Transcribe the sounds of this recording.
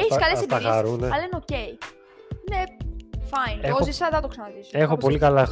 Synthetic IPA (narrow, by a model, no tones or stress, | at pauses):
eçiskɐlesɐxɐɾuneɐlenocej | nefɐjneosisɐðɐt̪oksɐnɐðisoexopo̞likɐlɐ